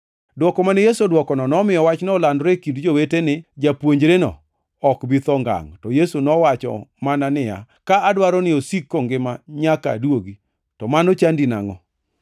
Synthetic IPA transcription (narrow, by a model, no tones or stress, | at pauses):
dwɔkɔmanɛjesodwɔkɔnɔnɔmɪjɔwat͡ʃnɔlandɾekindd͡ʒowetenɪd͡ʒapwoɲd͡ʒɾenɔ̰ː | kbɪt̪ɔŋɡa̰ŋtɔjesunɔwat͡ʃɔ̰mananɪja̰ | kaadwaɾɔnɪosikːoŋɡɪmaɲaka̰dwoɡi | tɔmanɔt͡ʃandina̰ŋɔ̰